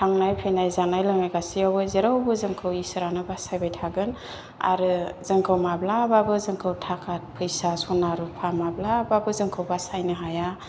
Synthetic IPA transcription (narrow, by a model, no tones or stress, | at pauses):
tʰaŋnajpʰejnajzanajlɯŋnajɡasiawɯzeɾawbɯzɯŋkʰɯwisɯɾanɯbasajbajtʰaɡɯn | a̰ɾɯzɯŋkʰɯwmablababɯzɯŋkʰɯwtʰakʰat̚pʰɯjsasɔnaɾupʰamablababɯzɯŋkʰɯwbasajnɯɦaja